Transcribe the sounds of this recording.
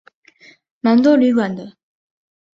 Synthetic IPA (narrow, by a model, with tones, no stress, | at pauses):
ma˨nd̪o˥ly˨ɡa˨nd̪ə˨